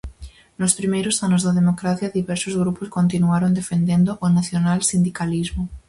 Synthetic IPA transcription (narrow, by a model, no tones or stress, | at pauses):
nospɾimejɾosanozðaðemokɾaθjaðiβɛɾsozɣɾuposkont̪inuaɾond̪efend̪end̪oʔonaθjonalsind̪ikalizmo